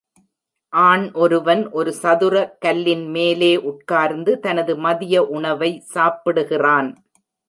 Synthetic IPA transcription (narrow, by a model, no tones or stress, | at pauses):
ʔaːɳʔɔɾɯʋɐnʔɔɾɯsɐðɯrɐkɐlːɪnmeːleːʔʊʈ̚kaːɾnd̪ɯt̪ɐnɐðɯmɐðɪjɐʔʊɳɐʋɐɪsaːpɪɽɯɣɪraːn